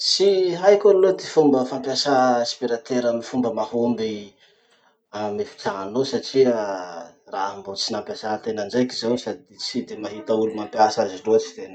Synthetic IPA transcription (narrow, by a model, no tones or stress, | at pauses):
siɦajkʲanlod̪efumbəfampjasaespiɾat̪eɾamifumbəmahombi | amifi̥t͡saŋanosaʈ͡ʂia | raɦambot͡sinampjasaɦt̪enand͡ʒajkizawsad̪it͡sid̪emaɦit̪əulumampjasaziɖ͡ʐoat͡si̥t̪en